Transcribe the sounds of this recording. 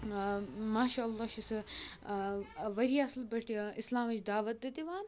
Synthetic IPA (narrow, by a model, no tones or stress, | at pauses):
maːʃaːlːɑːʃisɨ | ʋɐɾiːɐslbɐʈʰɪslaːmɐt͡ʃd̪aːʋɐt̪̚d̪ɐt̪iʋaːn